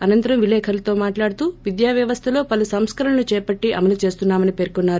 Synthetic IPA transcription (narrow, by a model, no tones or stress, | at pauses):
ɐnɐnt̪ɐɾɐmʋilɛːkʰɐlɐt̪o̞ːmaːʈlaːɽt̪uːʋid̪jaːʋjɐʋɐst̪ʰɐlo̞ːpɐlusɐmskɐɾɐɳɐlut͡ʃɛːpɐʈːiʔɐ̰mɐlut͡ʃe̞ːst̪unːaːmɐnipe̞ːɾkunːaːɾu